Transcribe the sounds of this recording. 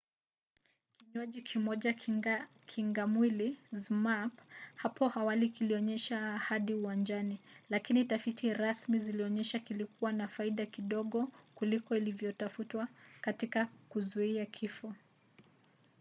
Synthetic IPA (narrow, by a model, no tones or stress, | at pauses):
kiɲwaʄikʰimɔʄa | kʰiŋɡamwilizmaphapɔawalikiliɔɲɛʃaːhaɗiuwand͡ʒanilakinitafitiɾasmiziliɔɲɛʃakilikuwanafaiɗakiɗɔɠɔkulikɔilivjɔtafutwakatikakuzuiakʰifɔ